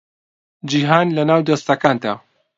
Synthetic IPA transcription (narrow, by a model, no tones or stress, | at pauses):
d͡ʒiːɦaːnlɐnaːwd̪ɐst̪ɐkaːnd̪a̰ː